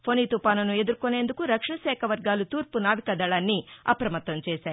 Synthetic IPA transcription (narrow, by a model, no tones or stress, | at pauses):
pʰoniːt̪upaːnɐnue̞d̪uɾkone̞ːnd̪ukuɾɐkʂɐɳɐʃɛːkʰɐʋɐɾɡaːlut̪uːɾpunaːʋikɐd̪ɐɭaːnːiɐ̰pɾɐmɐt̪ːɐmt͡ʃɛːʃaːɾu